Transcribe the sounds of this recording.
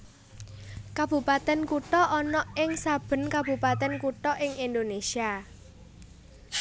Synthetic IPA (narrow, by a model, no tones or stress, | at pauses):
kab̥ṳpat̪ɛnkuʈɔʔɔnɔʔɪŋsab̥ə̤nkabṳpat̪ɛnkuʈɔʔɪŋind̪onesia